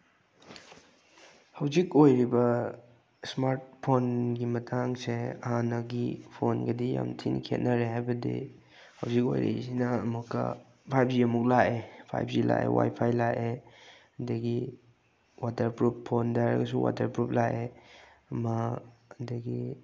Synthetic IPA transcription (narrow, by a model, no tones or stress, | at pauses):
hɐwzikojɾibɐ | smaɾt̚pʰonɡimɐtʰaŋseɐ̰hanɐɡipʰonɡɐdija̰mtʰinkʰḛt̚nɐɾeɦajbɐdḭ | hɐwziko̰jɾḛsinɐːmukːɐ̰ | pʰajp̚ziɐmuk̚laʔepʰa̰jp̚zila̰ʔḛwa̰jpʰajlaʔe | ɐdɐɡi | watɐɾpɾupʰːondaɾɐ̰ɡɐs̬uwa̰tɐɾpɾup̚laʔe | ɐmɐdɐɡi